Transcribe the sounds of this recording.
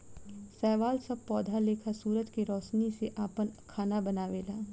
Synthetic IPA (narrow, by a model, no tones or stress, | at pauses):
sɛːʋaːlsɐb̚pɔːd̪ʱaleːkʰasuːɾət̪kiɾɔːʃniseʔaːpənkʰaːnabɐnaːʋeːlaː